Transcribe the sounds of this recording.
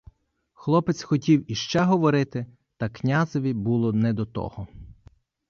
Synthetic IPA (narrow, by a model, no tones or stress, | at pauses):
xlˠɔpɪt̪sʲxɔtʲiwiʃt͡ʃɛɦɔʋɔɾɪt̪ɪ | t̪ɐknʲazɔʋʲibulˠɔnɛd̪ɔt̪ɔ̰hɔ